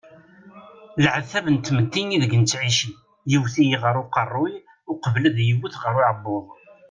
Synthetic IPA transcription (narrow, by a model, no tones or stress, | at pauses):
ləʕθævənt̪ːmət̪ːiniðəɡənt͡sːʕiʃi | jiwθijiʁəɾʊqɑrˤːʊj | ʊqəvləðjəwuθʁəɾʊʕəbːʊðˤ